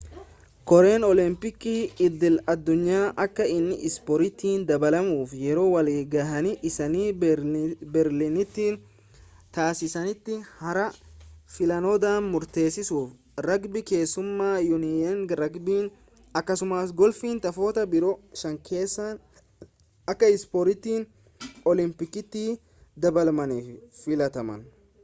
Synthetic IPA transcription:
kɔɾe̞ːnɔlɪmpɪkːiːɪd̪ɪlɐd̪ːʊɲːaːʔɐkːɐɪnːɪ̰ʔɪspɔɾɪt̪ːiːnd̪ɐbɐlɐmuːfjɛɾo̞ːwɐliːɡaːhɐnɪʔɪsɐniː | bɛɾlinɪt̪ːiːn | t̪aːsɪsɐnɪt̪ːɪhɐɾɐfɪlɐnɔd̪aːnmʊɾt̪e̞ːsːɪsuːf | ɾɐɡbɪke̞ːsːʊmːaːjʊnɪɛnɾɐɡbiːn | ɐkːɐsʊmaːs̬ɡɔlfiːnt̪ɐfoːt̪ɐbɪɾɔʃɐŋkʰeːsːɐn | ɐkːɐɪspoːɾɪt̪ːiːn | ɔlɪmpɪkːɪt̪ːiː | d̪ɐbɐlmɐniːffɪlɐt̪ɐmɐ̰n

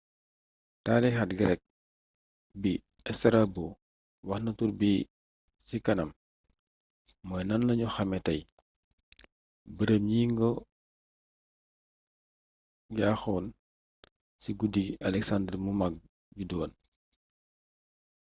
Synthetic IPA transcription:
taːdɛxat̚ɡɐɾɛk̚ | biɛstɐɾabu | wɐxnɐturbi | sikɐnɐm | mɔjnɐnlɐɲuxɐmɛtɐj | bəɾəmɲiːŋɡɔ | laxɔːn | siɡudiɡɐlɛksandɛrmumaɡ̚ | ɟudɔːn

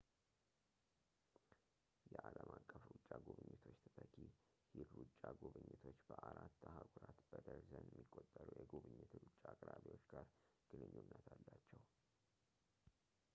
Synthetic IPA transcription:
jɛʔaləmʔakʼːəfɾut͡ʃʼːaɡuβɨɲːɪt̪ʰo̞t͡ʃːt̪ʰət̪ʰʼəkʰi | hilɾut͡ʃʼːaɡuβɨɲːɪt̪ʰo̞t͡ʃːbəʔaɾat̪ːahaɡʷuɾat̪b̥əd̪əɾzənjɛmːikʼːot̪ʼːəɾujɛɡuβɨɲːɪt̪ʰɾut͡ʃʼːaːkʼɾaβiwo̞t͡ʃːɡaɾɡ̥ɨnɨɲːunːət̪ʰalːat͡ʃːɛw

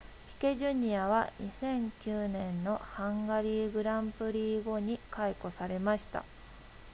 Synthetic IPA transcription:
çi̥ke̞ʑɨɲ̟iaβa̰ɲʔisẽ̞ŋkʲɨːnẽ̞nːo̞hãŋɡaɾʲiːɡɯ̟ɾãmpɯ̟ɾʲiːɡo̞ɲ̟ikaiko̞saɾe̞maɕi̥t̪a̰

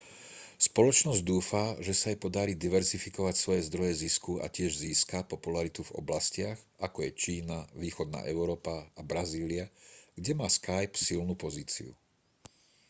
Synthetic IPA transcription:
spɔlɔt͡ʃnɔzɟd̪uːfaʒɛsaajpɔd̪aɾiːd̪iʋɛɾzifikɔʋacsʋɔjɛzd̪ɾɔjɛziskua̰cɪɛʒziːskapɔpulaɾit̪uvɔ̰blascɪaɣ | akɔjɛt͡ʃiːnaʋiːxɔd̪̚na̰ːʔɛʊɾɔːpaːbɾaziːliaɡɟɛmaːskajpsilnupɔziːt͡sḭṵ

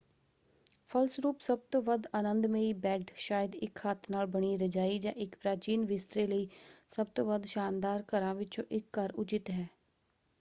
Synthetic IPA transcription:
pʰəlsɾuːpsəb̚t̪oːʋəd̪ənənd̪mẽːiːbɛːɖʃaːjəd̪ɪkhət̪ʰnaːlbəɳiːɾəd͡ʒaːiːd͡ʒã̰ːʔɪkpɾaːt͡ʃiːnʋɪst̪ɾeːləiːsəb̚t̪õːʋəd̪ʃaːnd̪aːɾkəɾãːʋɪt͡ʃõ̰ːʔɪkːəɾʊd͡ʒɪt̪ɦɛː

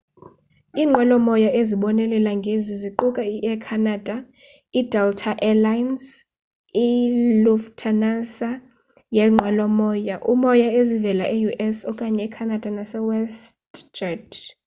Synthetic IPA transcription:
iːŋ͡ǃʱwalɔmɔjaʔeziɓɔnɛlɛlaŋɡʱeziziǃukʼaiʔɛkʰanad̥ʱa | idʱɛltʰaʔɛlajns | iluftʰanasa | jɛŋ͡ǃʱwalɔmɔːjaʔumɔjaezivɛlaʔejuʔɛsɔkʼaɲɛkʰanad̥ʱanasɛwɛstd͡ʒad

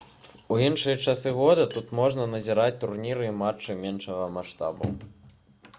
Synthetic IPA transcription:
uinʂɨjɐt͡ʂasɨɣɔd̪ɐt̪ut̪mɔʐnɐnɐzʲiɾat͡sʲt̪urnʲiɾɨimat͡ʂːɨmʲɛnʂɐɣɐmaʂt̪a̰bɐ̰w

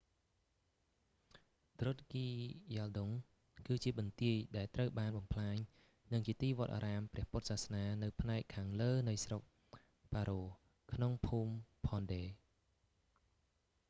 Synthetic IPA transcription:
t̪rot̪̚kiːjalɗoŋ | kɨːt͡ɕiəɓɑnt̪iəjɗaɛlt̪rəwɓaːnɓɑmpʰlaːɲ | nɨŋt͡ɕiət̪iːʋŏət̪̚ʔa̰ːɾaːmprɛ̆əhpʊt̪̚sahsnaːnɨwpʰnaɛkʰːaːŋləːnɨwsrok̚ | paːɾoː | kʰnoŋpʰuːmpʰɔːnɗeː

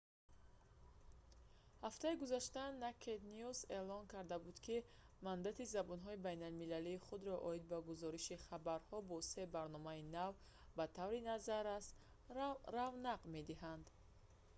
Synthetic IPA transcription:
haft̪aiɡuzaʃt̪anakʰet̪niuze̞lɔŋkʰaɾd̪abud̪kʰi | mand̪at̪ʰizabɔnɦɔibajnalmilaliːχud̪ɾɔʔɔid̪̚baɡuzɔɾiʃiχabaɾhɔbɔse̞baɾnɔmainav | bat̪ʰavɾinazaɾast̪ | ɾavnaqme̞d̪iɦand̪

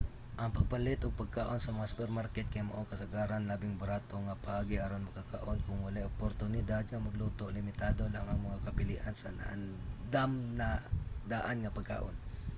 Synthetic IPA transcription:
ʔɐŋpɐɡ̚palɪt̪ʔʊɡ̚pɐɡ̚kaʔo̞nsɐmɐŋasʊ̥pɛɾmaɾkɛt̪̚kɐjmɐ̰ʔokɐsɐɡaːɾanlaːbɪŋbɐɾaːt̪o̞ŋɐpɐʔaːɡɪʔaɾonmɐɡkaka̰ʔo̞nkʊŋmʊlajʔʊpoɾt̪ʊnɪd̪ad̪̚ŋɐmɐɡlut̪oʔlɪmɪt̪aːd̪o̞laŋʔɐŋmɐŋakɐpɪlḭʔansɐn̰ʔa̰nd̪amnɐd̪aʔanŋɐpɐɡ̚ka̰ʔo̞n

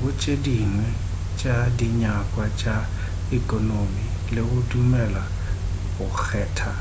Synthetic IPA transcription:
kʊt͡ʃʼediŋwɛ | t͡ʃʼadiɲakʼwat͡ʃʼa | ikʼɔnomilekʊdumɛla | ʊxʰɛːtʰa

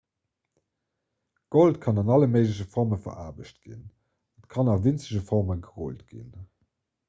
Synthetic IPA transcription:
ɡ̥oltkʰɑnɑnɑləməɪʒləɕ̬əfɔʁməfɐ̰ʁʔa̰ːbəɕtɡ̥ḭn | ətkʰɑnɑvint͡səʑəfɔʁməɡəʁo̰ltɡ̥ḭn

